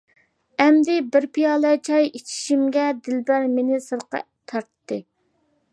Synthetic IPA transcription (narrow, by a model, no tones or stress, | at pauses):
ɛmd̪ɪbɪɾpʰijɑːlˠɛt͡ʃʰɑjet͡ʃʰi̥ʃimɡʲɛd̪ɪlbæɾmenɪsəɾqɑ̰ | t̪ʰɑɾt̪ːɨ